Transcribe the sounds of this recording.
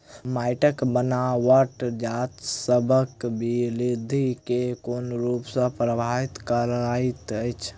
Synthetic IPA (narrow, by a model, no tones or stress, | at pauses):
majʈəkbənawəʈd͡ʒat̪səbʱəkbʱilid̪ʱikekonɾupsə̃pɾəbʱaɦit̪kəɾait̪əjt͡ʃʰ